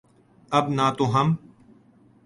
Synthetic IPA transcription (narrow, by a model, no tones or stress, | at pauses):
əbnaːt̪oːɦəm